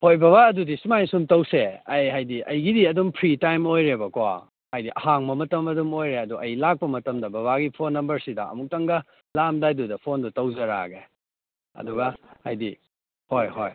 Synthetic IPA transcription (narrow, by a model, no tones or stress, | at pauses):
hojbɐβaɐdudisumajsumtɐwseɐjɦajdiʔɐjɡidiɐdumpʰɾitajmojɾebɐka̰ | ajdiʔɐhaŋbɐmɐtɐmɐdumojɾeɐduʔɐjlak̚pɐmɐtɐmdɐbɐβaɡipʰonːɐmbɐɾsidɐɐ̰muk̚tɐŋɡɐ | lamdajdudɐpʰondutɐwzɐɾa̰ɡe | ɐ̰duɡɐajdi | hojhoj